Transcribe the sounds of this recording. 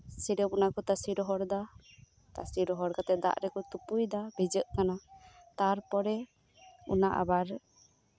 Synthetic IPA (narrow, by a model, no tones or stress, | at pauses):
siɾɛmɔnakɔt̪asiɾɔɦɔɽd̪a | t̪a̰siɾɔɦɔɽkat̪ɛd̪a̰ʔɾɛkɔt̪upujd̪abʱɛd͡ʒəʔkanat̪aɾpɔɾɛ | unaʔa̰baɾ